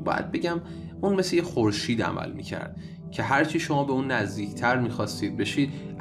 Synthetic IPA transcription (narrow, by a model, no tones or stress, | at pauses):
bɒ̰ːjæ̰d̪̚be̞ɟæm | unmeslejexoɾʃiːd̪æ̰mæ̰lmḭːcʰæ̰ɾd̪̥̚ | cʰe̞ɦæɾt͡ʃʰiʃo̞mɒːbe̞unːæzd̪iːcʰt̪ʰæɾmiːxɒːst̪iːd̪̚be̞ʃiːd̪̚